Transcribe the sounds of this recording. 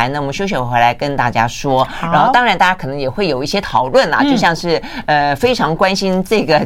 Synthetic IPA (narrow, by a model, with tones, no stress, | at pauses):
nna˥˩wɕjo˥ʊɕ̬ɥɛ˧˩˥xwe˧˥la˧˥ɪkə˥nt̪a̰˥˩t͡ɕja˥ʂwɔ˥ɻa˧˥nxo˥˧t̪ɑ˥ŋɻa˧nt̪a˥˩ja˥kʰɤ˨˩nɤ˧˥jɛ˨˩xwe˥˩ɪjo˨˩ʊi˥˩ɕjɛ˥t̪ʰɑ˨˩ʊlwə˥˩nlɐ̰˨˩t͡ɕo˥˧ʊɕjɑ˥˧ŋʂɻ̩˥˩ə˧fe˥ɪʈ͡ʂʰɑ˧˥ŋkwa˥nɕi˥nʈ͡ʂɤ˥˩ɡə˩